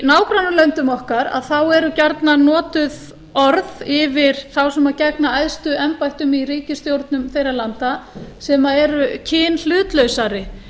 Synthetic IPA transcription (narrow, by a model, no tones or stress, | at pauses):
naːwkɾanːʏlœnt̪ʏmɔhkaɾa̰ðθawɛɾʏcaɾt̪nanɔːt̪ʏð | ɔɾðɪvɪɾ̥θawsɛmaðcɛk̚naajðst̪ʏʔɛmpajht̪ʏmiriːcɪst̪jowɾt̪nʏmθejɾalant̪asɛmaɛɾʏcʰɪːnl̥ʏːt̪lœɥsaɾɪ